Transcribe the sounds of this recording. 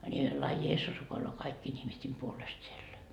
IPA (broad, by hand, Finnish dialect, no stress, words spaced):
nʲi lɑː jeːsːus rukoiloː kɑikːiːn ihmistʲen puolest sielːæ